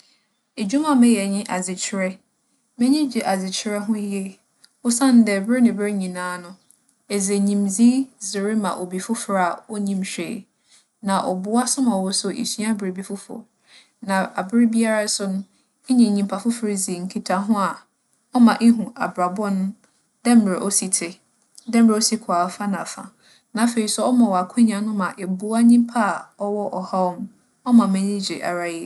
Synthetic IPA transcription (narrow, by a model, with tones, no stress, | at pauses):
e˨d͡ʑᶣu˦mã˦mɛ̃˦jɛ˨ɲɪ̃˦ʔa˨zɪ˨t͡ɕʰɪ˦ɾɛ˦ | mɛ̃˦ɲĩ˦d͡ʑɪ˨ʔa˨zɪ˨t͡ɕʰɪ˨˦ɾɛ˦ɦʊ̃˦jɛ˦ | ɔ˦sã˦n̩˦dɛ˨bɾɪ˦nɪ̃˨bɪ˦ɲĩ˨nãː˦nʊ̃˦ | e˨ze˨ɲĩ˨mzi˦zɪ˨ɾɪ˦mã̰˨ʔo˨bi˨fʊ˦fɾa˨ɔ˦ɲĩ˦mɕᶣḛ˨ | nã˨ʔɔ̰˨bʊ˦a˦sʊ˦mã˨wɔ˦sʊ˦ʔḛ˨sɥã˦bɾi˨bi˦fʊ˦fʊ̰˨ | nã˨a˨bɪ˦ɾɪ˦bi˦a˦ɾa˦sʊ˦nʊ̃˦ | ɲĩ˨ɲĩ˨mpʰa˨fʊ˦fɾɪ˦zi˨ŋ̩˨kʰi˨tʰa˨ɦʊ̃˦a˨ | ɔ˦mã˨ʔe˦ɦũ˨a˨bɾa˨bɔ˦nʊ̃˦ | dɛ˦m̩˦m˨ɾɛ˨ʔɔ˦si˨tʰɪ˨ | dɛ˦m̩˦˨ɾe˨˦o˦si˦kʰʊ˨a˨˦fa˦nã˨fa̰˨ | nã˨˦fe˨ɾi˨sɔ˦ɔ˦mã˨wɔ˨a˨kʰʊ̃˦ɲ˦ã˨˦nʊ̃˦mã˨ʔɛ˨bʊ˦a˦ɲĩ˦m˦pʰa˦˨ɔ˦wɔ˦ʔɔ˨ha˦ɔ˦m | ɔ˦mã˨mæ̃˦nĩ˦d͡ʑḭ˨ʔa̰˨ɾa˦jɛ˦˨